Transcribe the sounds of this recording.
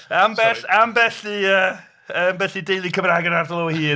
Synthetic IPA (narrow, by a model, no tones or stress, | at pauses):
ambɛambɛɬiəː | əːmbɛθidejlˠikʰəvɾaːɡənardlˠohiː